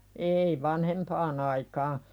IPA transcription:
ei ʋɑnhempɑːn ɑikɑː

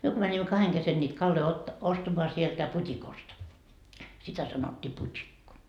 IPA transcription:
myø ko mænʲimːæ kɑheŋ kesen nʲiːt kɑlːoi otːɑ ostɑmoɑ sieltæ putʲikost sitæ sɑnotʲːiː putʲikːo

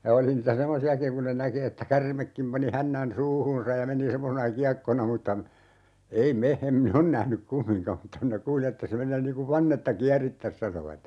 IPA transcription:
jɑ oli niːtæ semːosiɑkiŋ kun ne næki etːæ kærmekːim pɑni hænːæn suːhuːnsɑj jɑ meni semːosenɑ kiɑkːonɑ mutːɑ ei me em min on næhnyk kumːiŋkɑm m̩tːɑ minæ kuːli etːæ se menˑeː niː kuʋ ʋɑnːetːɑ kiæritːæs sɑnoʋɑt

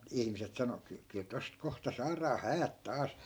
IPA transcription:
ihmiset sɑno kyl kyl tost kohtɑ sɑːrɑː hæːt tɑːs

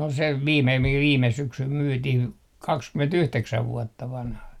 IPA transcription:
ol se ʋiːme mikæ ʋiːme syksym myːtih kɑkskymentyhteksæʋ ʋuotːɑ ʋɑnhɑ

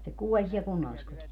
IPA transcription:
se kuolʲ siɛl kunːɑlːiskotis

